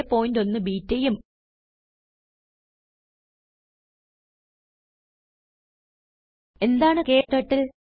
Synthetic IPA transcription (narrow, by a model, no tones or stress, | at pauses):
epːo̞ːnd̪o̞nːɨbiːtːɐjum | e̞nd̪aːɳɨke̞ːʈːɐʈːil